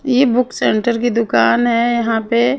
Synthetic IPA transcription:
jebʊksẽːɳʈəɾk̬id̪ʊkaːnɦɛjɐɦãpe

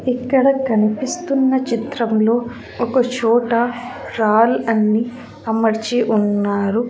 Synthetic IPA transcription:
ikːɐɽɐkɐnipist̪unːɐt͡ʃit̪ɾɐmlo̞ː | ɔkɐt͡ʃɔːʈɐ | ɾaːlɐnːi | ɐmɐɾit͡ʃiʔunːaːɾu

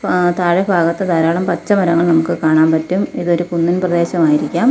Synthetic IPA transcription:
t̪aːɻɐbʱaːɣɐt̪ːɐd̪aːɾaːɭɐmpɐt͡ɕːɐmɐɾɐŋːɐɭnɐmukːɨkaːɳaːmpɐtːumiðo̞ɾukunːinprɐd̪e̞ːɕɐmaːjiɾikʲːaːm

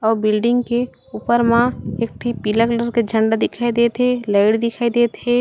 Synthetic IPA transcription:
ɔːɾbɪlɖɪ̃ŋɡke | uːpəɾmãeːk̚ʈ̪ʰipiləkləɾked͡ʒʱə̃ɳɖad̪ɪkʰaːid̪eːt̪ɦelaɪɽd̪ɪkʰaːid̪eːt̪ɦeː

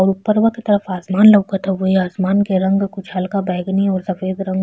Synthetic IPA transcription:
ɔːɾʊpːəɾʋɐket̪ɐɾəfaːsmaːnlɐʋkat̪ʰaʋoɦiaːsmaːnkeɾɐ̃ŋɡkʊt͡ʃʰɦɐlkabɛːɡniɔːɾsɐfeːd̪ɾɐ̃ŋɡ

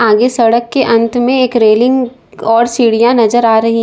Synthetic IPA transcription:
aːɡesɐɽəkːeʔɐ̃nt̪mẽeːkɾeːlɪ̃ŋɡ | ɔːɾsiːɽijãnɐzəɾaːɾɐɦi

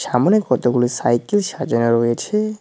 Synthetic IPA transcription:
ʃamonekːɔt̪oɡulisajkelʃad͡ʑoneɾojet͡ɕʰe

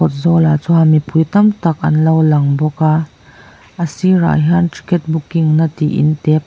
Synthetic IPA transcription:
ɔt̪̚zɔlat͡sɔɦamipujt̪ɐmt̪ɐk̚ʔɐ̰nlɐwlɐŋbɔkaː | ʔəsira̰jɦanti̥kɛt̚bukːiŋnɐt̪ḭʔḭnt̪ɛp̚

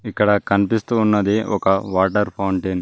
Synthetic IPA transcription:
ikːɐɽɐkɐnipist̪uːnːɐd̪iɔkɐʋaːʈɐɾpʰɐwɳʈiːn

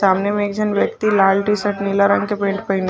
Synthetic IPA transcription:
aːmnemẽːk̚d͡ʒɐnʋjək̚t̪ilaːlʈisəʈnɪlaɾɐ̰̃ŋɡkepẽːɳʈpɐɦɪn

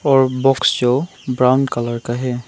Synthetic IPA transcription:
ɔɹbɔksd͡ʒo | bɹawndkalaɹkaɦɛ

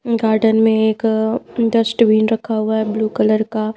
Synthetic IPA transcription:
ɡaːɾɖənmẽeːkɖəsʈʋiːnɾɐkʰːaɦʊaɦɛbluːkɐləɾka

